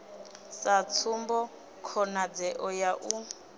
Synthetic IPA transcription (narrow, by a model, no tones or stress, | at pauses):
sat͡sʰumbɔ | kʰɔnad͡zɛʔɔjaʔu